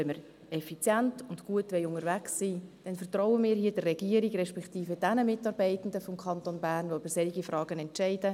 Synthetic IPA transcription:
ɛnməɾ | ɛfit͡sjæntʊndɡ̥uətʋɛɪʊŋəɾvæksːiːd̥ɛnfərtrɔʊənmiːɾɦiːədərːɛɡ̥iːəɾiɡrɛʃpɛktiːfəd̥ænəmɪtːɑɾbɛɪtn̩dəfɔmkʰχɑnt̪onbæːrnʋoyb̥əɾsɛliɡifrɑːɡ̥ənɛntt͡ʃɛɪdə

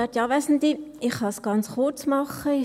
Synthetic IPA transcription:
ɛt̪jɑːvɛsn̩d̪iɪχhɑsɡ̥ɑnt͡sχʊt͡smɑχəɪ

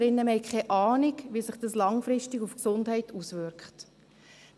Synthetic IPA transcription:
ɾɪnːəmɛɪkʰχɛʔɑːnikʋisɪχd̥ɑslɑŋfɾɪʃtɪɡufksʊndɦɛɪtuːsʋʏɾkχt

